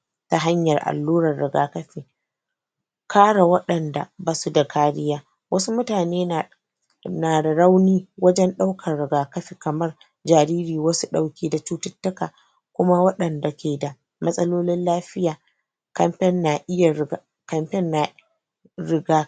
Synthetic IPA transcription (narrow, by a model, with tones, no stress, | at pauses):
ta˦ɦa˦ɲjɐ˨rʔa̰˨lːuː˦ɾɐ˨rːɪ˨ɡa̰ː˨kɐ˦ɸiː˨ | kʰaː˦ɽa˨wɐ˦ɗɐ˨nda̰˨baː˨su˦da˨kʰaː˦ɽɪ˦jaː˦ | wʔɐ˦su˦mʊ˦taː˨neː˦˨ | naː˨da˨ɾa˦wniː˦wɐ˦d͡ʒɛ˦nɗa˦wkʰɐ˨rɽɪ˨ɡaː˨kɐ˦ɸi˨kɐ˨mɐ˦r | d͡ʒaː˨ɾiː˦ɾiː˨wɐ˦su˦ɗa˨wkʲiː˦da˨t͡ʃuː˦tʊ˦tːɐ˦kaː˨ | kʷʊ˦ma˦wɐ˦ɗɐ˨nda˨kʲeː˨da˨ | mɐ˦sʼɐ˦loː˦lɪ˦nlaː˦ɸɪ˦jaː˨ | kɐ˦mɸɛ˦nːa˨ʔɪ˦ja˨ | kɐ˦mɸɛ˦nːa˨ | ɾɪ˦ɡaː˦